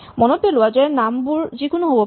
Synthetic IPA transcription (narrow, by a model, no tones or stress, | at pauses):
mɔnɔpelʊwad͡ʒɛnambuɹzikonoɦobɔ